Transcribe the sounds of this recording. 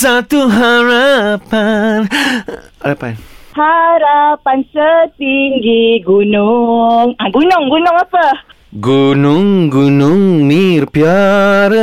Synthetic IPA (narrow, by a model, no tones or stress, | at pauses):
sat̪uɦaɾapan | aɾapanhaɾapansət̪iŋɡiɡunuŋaɡunʊŋɡunʊŋapə | ɡunʊŋɡunʊŋmirpiaɾ